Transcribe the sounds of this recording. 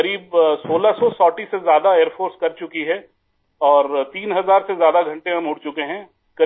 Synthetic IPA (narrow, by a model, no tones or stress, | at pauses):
ɐɾiːbsoːlasɔsɔːʈisezjaːd̪aeːɾpʰoːɾskɐɾt͡ʃʊkiɦɛː | ɔːɾt̪iːnɦɐzaːɾsezjaːd̪aɡʱɐ̃ɳʈẽɦɐmɦʊɽt͡ʃʊkeɦɛ̃ː | kɐ